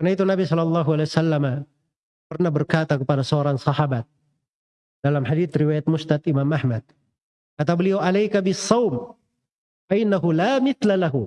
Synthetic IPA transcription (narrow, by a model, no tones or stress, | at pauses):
karnait̪unabisɔlɑlˠˤːɑɦualesalːama | pərnahbərkat̪akəpadasəoɾaŋsɑhabat̪̚ | d̥alamħadiθriwajat̪̚mʊst̪at̪imamʔahmad̪̚ | kat̪abəliawʔalajkabɪsːɑwm | faʔɪnːaɦulamɪθlalaɦu